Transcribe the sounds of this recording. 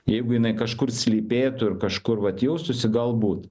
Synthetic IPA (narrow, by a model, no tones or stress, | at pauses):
jɛɪɡʊjɪnɐɪkɐʃkʊrsʲlʲiːpʲeːt̪ʊɪɾkɐʃkʊrʋɐt̪jɛʊsʊsʲɪɡɐlˠbuːt̪